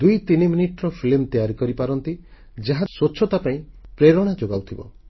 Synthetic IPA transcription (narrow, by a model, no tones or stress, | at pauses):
d̪ujt̪iniminiʈɔɾɔpʰilmt̪ijaɾikɔɾipaɾɔnt̪i | d͡ʒaɦasoːt͡ʃʰɔt̪apaĩpɾeɾɔɽ̃ad͡ʒoɡawt̪ʰibɔ̰